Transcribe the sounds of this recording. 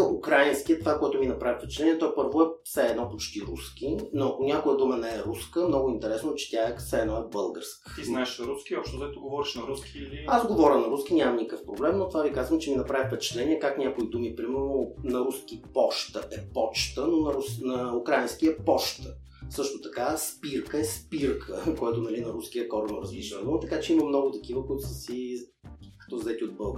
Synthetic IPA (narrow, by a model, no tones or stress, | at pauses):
əʔukɾajinskiət̪ovakoɛt̪ʊminɐpɾavifpɛt͡ʃɛ̥t̪lɛnʲiɛt̪ɔjpɤɾvoɛfsɛɛd̪nɔpot͡ʃt̪iɾuskinoɐkʊnʲakojəd̪umənɛɛɾuskəmnɔɡʊint̪ɛɾɛsnot͡ʃɛ̥t̪ʲjaɛsɛɛːd̪nɔɛbɤlˠɡə̰ɾskə̥t̪iznaɛʃɐɾuskiɔpʃt̪ozɛt̪oɡovɔɾiʃnɐɾuskiːliazɡovɔɾʲənɐɾusk̟inʲamɐmnikkəfpɾoblɛmnot̪ovavikazvəmt͡ʃɛminɐpɾavifpɛt͡ʃɛ̥t̪lɛniɛkaknʲakoid̪umipɾimɛɾnonɐɾuskipɔʃt̪əʔɛpɔt͡ʃt̪ənonɐɾusnɐukɾainsk̟iɛpɔʃt̪ə | sɤʃt̪ot̪ɐkaspiɾkəɛspiɾkʰə̰kojɛt̪onɐlinɐɾuskiəkɔɾʊməɾəzliʃvɛnot̪ɐkat͡ʃɛimɐmnɔɡʊt̪ɐk̟ivəkoit̪ʊsəsi | kɐ̥t̪ɔzɛt̪iod̪̚bəlˠɡ